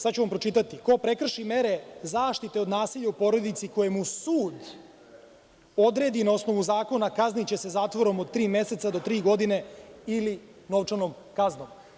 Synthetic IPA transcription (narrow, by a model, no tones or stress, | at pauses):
sad̪t͡ʃuʋampɾo̞t͡ʃit̪at̪iko̞pɾe̞kr̩ʃime̞ɾe̞zaːʃt̪it̪e̞od̪naːsiʎaupo̞ɾo̞d̪it̪siko̞jemusuːd̪ | o̞d̪ɾe̞ːd̪inao̞sno̞ʋuzaːko̞nakaznit͡ɕe̞se̞zaːt̪ʋo̞ɾo̞mod̪̚t̪ːɾiːmje̞se̞t̪sad̪o̞t̪ɾiːɡo̞d̪ine̞ilino̞ʋt͡ʂanom | kazno̞m